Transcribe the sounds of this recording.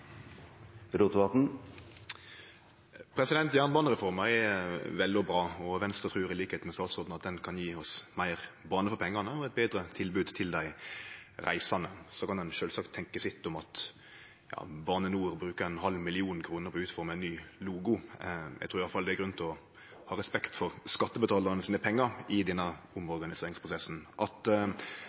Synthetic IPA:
ɾut̪ʊɑt̪n̩ | pʰɾɛsɪd̪ɛnt̪jæːʁnbɑːnəʁɛfɔɾməɛʋɛld̪ɪɔbɾɑːɔʋɛnst̪ɾət̪ʰʁʉːʁɪliːkəheːt̪mɛst̪ɑːt̪sɔd̪n̩ɑt̪̚d̪ɛnkʰɑnjiːɔsmæɪʁbɑːnəfɔpʰɛŋːɑnəɔɛt̪̚beːd̪ɾət̪ʰɪlbʉːd̪t̪ʰɪld̪æɪɾæ̰ɪsɑnəsɔkɑnd̪ɛnʃøːlsɑkt̪ʰɛŋkəsɪt̪ːʊmɑt̪ | jɑ̰ːbɑːnənuːɾbɾʉːkəɛnhɑlmɪlɪuːnkʰɾuːnəɾpʰɔʉːt̪fɔɾmɛɛnːyːluːɡʊ̰ɡt̪ʰuːɾjɑlfɑld̪ɛæɾɡɾʉnt̪ʰɪɔ | hɑːɾɛspɛkt̪fɔɾskɑt̪ːəbət̪ʰɑːlɑɾənəsiːnəpʰɛŋːəɾɪd̪ɛnːə | ʊmɔɾɡɑnɪseːɾɪŋspʰɾʊsɛsn̩ʔɑt̪

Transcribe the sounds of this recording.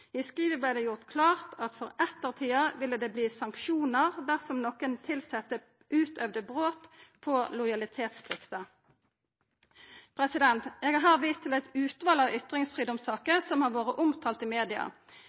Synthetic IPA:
ɪskʁiːʋəblɛɪd̪ɛːjʊʁt̪kʰlɑːʁt̪ʰɑt̪fɔʁɛt̪ːəʁt̪ʰiːɑʋɪlːəd̪eːbliːsɑŋkʃuːnəʁd̪æʁsɔmnɔkənt̪ʰɪlsɛt̪ːə | ʔʉːt̪œʋd̪əbʁoːt̪pʰɔlʊɪjɑlɪt̪ʰeːt̪spʰlɪkt̪ə | pʰʁɛsɪd̪ɛnt̪eːɡɑɦɑːʁʋiːst̪ʰɪlɛt̪ʉːt̪ʋɑːlɑʋʏt̪ʁɪŋsfʁiːd̪ɔmsɑːkəsɔmhɑːʁʋoːʁəʔʊmt̪ʰɑːlt̪ɪmeːd̪ɪɑ̰

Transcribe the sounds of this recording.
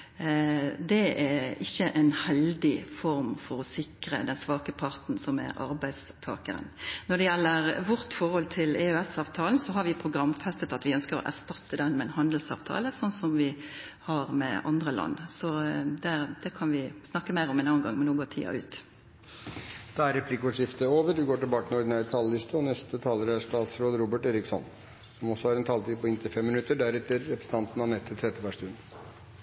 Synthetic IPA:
d̪ɛæɪçːəʔɛɪnhɛld̪ɪfɔɾmfɔɾɔsɪkɾəd̪ɛnsʋɑːkəpʰɑɾt̪nsɔmæ̰ɾʔɑ̰ɾbæɪdst̪ʰɑ̰ːkə̰ɾə̰nnɔd̪ɛjɛlːəɾʋɔɾt̪fɔɾhɔlt̪ʰɪlɛøɛsɑːʋt̪ʰɑːln̩sɔɦɑɾʋɪpʰʁʊɡɾɑmːfɛst̪ət̪ɑt̪ʋɪœnskəɾɔ̰ʔæ̰ʁst̪ɑt̪ːəd̪ɛnmɛnhɑnd̪l̩sɑ̰ːʋt̪ʰɑ̰ːləsɔnːsɔmʋɪ | hɑɾmɛ̰ʔɑ̰nd̪ʁəlɑ̰nːsɔd̪æd̪̥ɛkʰɑnʋɪsnɑkːəmæɪɾɔmɛnɑːənɡɑŋːmɛnoːɡot̪ʰḭːɑ̰ʉ̰ːt̪ | d̪̥ɑæɾɛpʰlɪkːəɔʂɪft̪əoːʋəɾd̪ɪɡoːʈɪlbɑːkənɔɖɪnæːɾət̪ʰɑllɪst̪əɔnɛst̪ət̪ʰɑːləɾæʂt̪ɑːt̪sɾoːd̪əɾuːbəʈeːɾɪksɔ̰n | sɔmɔsːɔhɑɾɛnt̪ʰɑːlt̪ʰiːd̪̚pʰɔɪnt̪ʰɪlfɛmːɪnʉt̪ːəɖæɾɛt̪əɾːɛpɾəsət̪ɑnt̪n̩ɑnɛt̪ʰːɪlt̪ʰɾɛt̪ːəʋæʂt̪ʉnd̪

